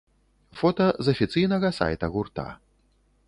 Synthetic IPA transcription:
fɔt̪ɐzɐfʲit̪sɨjnɐɣɐsa̰jt̪ɐɣurt̪a̰

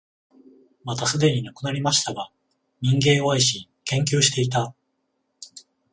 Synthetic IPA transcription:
mat̪asɨd̪e̞ɲ̟inakɯ̟naɾʲimaɕi̥t̪aɡa | ɲ̟ĩŋɡẽ̞ɰ̃oaiɕi | kẽ̞ŋk̬ʲɨːɕi̥t̪e̞it̪a

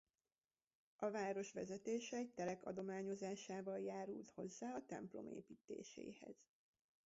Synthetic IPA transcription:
ʔɒvaːɾo̞ʃʋɛzɛt̪eːʃɛɛc̚t̪ɛlɛkɒ̰d̪o̞maːɲo̞zaːʃaːvɒljaːɾult̪ho̞zːaːɒt̪ɛ̰mplo̞̰mḛːpiːt̪ḛːʃḛːhɛ̰z̥

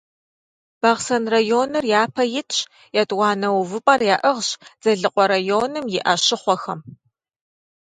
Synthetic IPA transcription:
b̥ɐʁsɐnrɐjoːnɐrjaːpʰɐjɪtʰʼɕ | jatʼwɑːnɐwvɨpʼɐrjaːʔɐʁɕz̥ɐɮɨqʷʼɔɾɐjoːnɨmjɪʔɐʃɪχʷɔxɐm

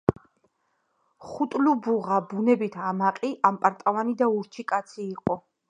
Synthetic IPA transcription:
χut̪ʼlubuʁabunɛbit̪ʰamaqʼiʔampʼaɾt̪ʼalanid̪auɾt͡ʃʰikʼat̪sʰiːqʼɔ

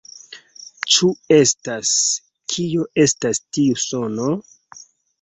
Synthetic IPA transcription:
t͡ʃue̞stas | kʰijo̞ʔe̞stastiuso̞no̞

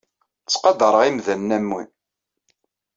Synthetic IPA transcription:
t͡sːqɑd̪əɾˤəʁimðænːæmːin

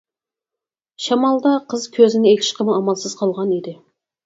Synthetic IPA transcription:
ʃɑmɑlˠd̪ɑqʰəzkʲʰøzɪnɪekʲʰɪʃqʰəməɑmɑlˠsəzqʰɑlˠʁɑnid̪ɪ

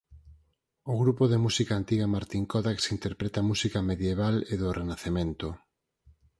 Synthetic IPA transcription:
ʊɣɾupoðemusikaːnt̪iɣamaɾt̪iŋkɔðaksint̪eɾpɾet̪amusikameðjeβ̞aleðʊrenaθemẽnt̪o

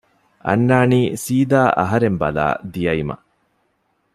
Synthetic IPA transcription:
ʔɐ̰nːaːniːsiːd̪aːʔɐ̰ɦɐɾembɐ̰la̰ːd̪ijɐimɐ̰

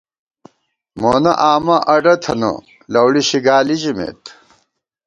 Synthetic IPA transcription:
moːnɐʔaːmɐʔɐɖɐt̪ʰɐnɐ̰ | lɐwɽiɕiɡaːlid͡ʑimḛːt̪

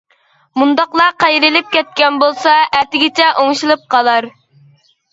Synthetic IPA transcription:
mund̪ɑqlˠɑqɑjɾɪlɪp̚kʲɛt̪̚kʲɛnbolˠsɑɛt̪ɪɡʲɪt͡ʃʰɛʔoŋʃilˠɨp̚qʰɑlˠɑɾ

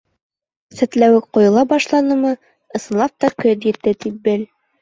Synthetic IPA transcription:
sɘ̆t̪læwɘk̚qŏjɤ̆lˠɑbɑʃlˠɑnɤmɤ | ɤ̆sɤ̆nlˠɑp̚t̪ɑkɵt̪jɘ̆t̪ːɘt̪ip̚bɘl

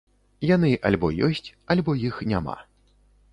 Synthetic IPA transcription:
jan̪ɨʔa̰lʲbɔjɔsʲt͡sʲalʲbɔjixnʲama̰

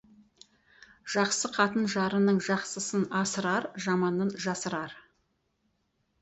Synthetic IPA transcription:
ʒ̥ɑqsəqʰɑt̪ənʒɑɾənəɴʒɑqsəsənɑsəɾɑɾʒɑmɑnənʒɑsəɾɑɾ

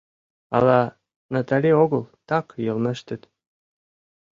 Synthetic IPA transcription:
ɑ̰lɑ | nat̪ɑlʲeoɣɤlˠt̪ɑkjɤ̆lmə̆ʃt̪ə̆t̪

